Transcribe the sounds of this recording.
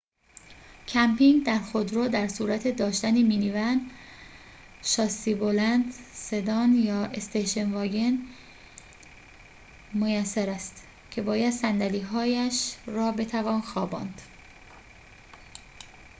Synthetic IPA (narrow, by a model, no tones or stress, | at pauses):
cʰæmpiŋɡd̪æɾxod̪ɾoːd̪æɾsuːɾæt̪ʰe̞d̪ɒːʃt̪æniːminivænd̪ | ʃɒːsibo̞lænd̪se̞d̪ɒːnjɒːʔest̪ejʃe̞nvɒːɡe̞n | mojæsːæɾæst̪ | kcʰe̞bɒːjæd̪sænd̪æliːɦɒːjæʃrɒːbe̞t̪ʰævɒːnxɒːbɒ̰ːnd̪̥